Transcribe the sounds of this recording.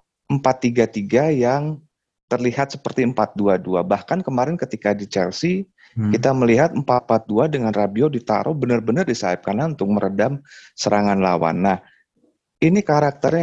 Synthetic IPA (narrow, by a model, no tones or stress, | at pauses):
ʔəmpat̪ːiɡat̪iɡajaŋ | t̪ərliɦat̪sə̥pərt̪iəmpat̪̚duaduabahkankəmaɾɪnkət̪ikadit͡ʃɛ̰lsi | kit̪aməliɦat̪̚əmpatpat̪̚duadəŋanrabiodit̪a̰ɾʔobənərbənərdisaɪp̚kanaunt̪ʊk̚məɾʔədamsəɾaŋanla̰wa̰nːah | inikaɾak̚t̪ərɲa